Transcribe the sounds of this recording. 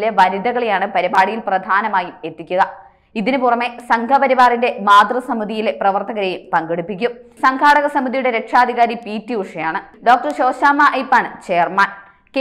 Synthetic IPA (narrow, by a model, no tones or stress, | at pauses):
leʋɐɾid̪ɐɣɐɭejaːɳɨpɐɾibaːɽijilprɐd̪ʱaːnɐmaːjume̞t̪ːikʲːuɣɐ | iðinɨpurɐme̞sɐŋɡʰʱɐpɐɾiʋaːrinde̞maːd̪rɐsɐmiðʱijileprɐʋɐrt̪ɐɣɐɾejumpɐŋɡeɽupːik̬ʲːumsɐŋkʰaːɽɐɣɐsɐmiðʱijuɽe̞ɾe̞kʂaːd̪ʱiɣaːɾipiːtːiuʂɐjaːɳɨɖo̞ːk̚ʈɐrɕo̞ːɕaːmɐʔɐjpːaɳt͡ɕe̞ːrmaːn | k